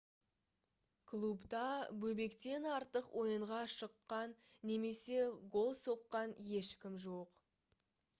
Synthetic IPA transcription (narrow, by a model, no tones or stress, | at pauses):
kʰlˠubt̪ɑbɵbe̞kt̪e̞nɑɾt̪əqwʔo̞jəɴʁɑʃəqːɑnː | e̞me̞se̞ɡo̞lˠso̞qːɑnje̞ʃkʲɪmʒoq